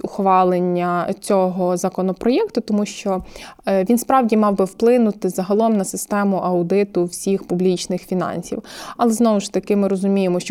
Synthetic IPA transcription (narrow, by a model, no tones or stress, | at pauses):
ʊxʋɑlˠenʲːɐt͡sʲɔɦɔzɐkɔnɔpɾɔjɛkt̪ʊt̪ɔmuʃt͡ʃɔʋʲinspɾɑwdʲimɑwbɪwplˠɪnʊt̪ɪzɐɦɐlˠɔmnɐsɪst̪ɛmʊʔɐwd̪ɪt̪ʊwsʲixpʊblʲit͡ʃnɪxfʲinɑ̰nʲsʲḭwɐlˠɛznɔʋʊʃt̪ɐkɪmɪɾɔzʊmʲijemɔʃt͡ʃ